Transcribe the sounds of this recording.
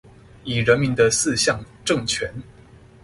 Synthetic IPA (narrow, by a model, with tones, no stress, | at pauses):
i˨˩ɻə˧˥nmi˧˥nd̪ə˧sɹ̩˥˧ɕjɑ˥˧ŋ | ʈ͡ʂɤ˥˩ŋt͡ɕʰɥɛ˧˥n